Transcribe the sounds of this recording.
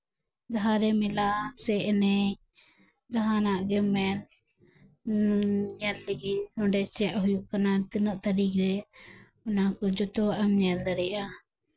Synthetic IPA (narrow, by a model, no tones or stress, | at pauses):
d͡ʒaɦaɾɛmilasɛʔnɛ | d͡ʒaɦanaʔɡɛmɛn | ɲɛlliɡinɔ̃ɖɛt͡ʃɛʔɦujuʔkanat̪inɔʔt̪aɾikɾɛ | ʊnakɔd͡ʒɔt̪ɔʔamɲɛld̪aɽɛʔa